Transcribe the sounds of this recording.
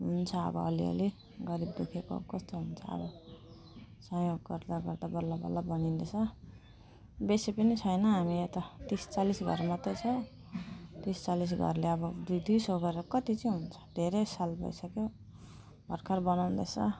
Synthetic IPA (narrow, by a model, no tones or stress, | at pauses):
ɦunt͡sʰʌʌ̰bʌ̰ːliʌ̰le | ɡʌɾibd̪ekʰeko̰kʌst̪oɦunt͡sʰʌ̰ʌ̰bʌ | sʌ̃joɡɡʌrd̪aɡʌrd̪abʌlːabʌ̰lːabʌnind̪et͡sʰʌ | besepʌnit͡sʰʌjnʌɦamiet̪ʌt̪ist͡salisɡʱʌrmat̪ʌjt͡sʰʌ | t̪ist͡salis̬ɡʱʌ̰rleʌbʌd̪ujd̪ujsoɡʌɾʌkʌt̪it͡sĩɦunt͡sʰʌ̥d̪ʱeɾesalbʱʌ̰jsʌkjo | bʱʌrkʰarbʌnawnd̪ʌt͡sʰʌ